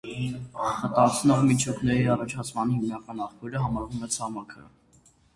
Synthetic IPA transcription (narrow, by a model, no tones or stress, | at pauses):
mət̪ɑt͡sʰnɔʁmit͡ʃʰukʰnɛɾiɑrɑt͡ʃʰɑt͡sʰmɑnhimnɑkɑnɑχpʰjuɾəɦɑmɑɾvumɛt͡sʰɑmɑkʰə̰